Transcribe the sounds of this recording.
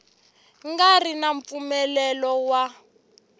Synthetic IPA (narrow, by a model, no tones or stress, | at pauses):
ŋɡarinaɱp̪fumɛlɛlɔwa